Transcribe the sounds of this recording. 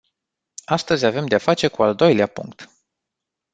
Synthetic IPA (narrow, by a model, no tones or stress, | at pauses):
ast̪əzʲave̞md̪eafat͡ʃe̞kuald̪o̞jleapṵŋk̚t̪